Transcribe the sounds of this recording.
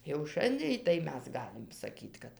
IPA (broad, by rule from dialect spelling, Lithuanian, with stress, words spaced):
jɛʊ ˈʃɐnʲdʲeːj tɐɪ ˈmʲɛs ˈɡɑːlʲɪm sɐˈkʲiːt kɐt